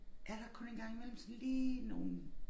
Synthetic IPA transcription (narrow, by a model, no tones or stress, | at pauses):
ʔæɐɾ̥ɑ̈kʰɔ̽nenɡ̥ɑ̈ŋ̰imel̰m̩sɒ̽nliːno̝ːn̩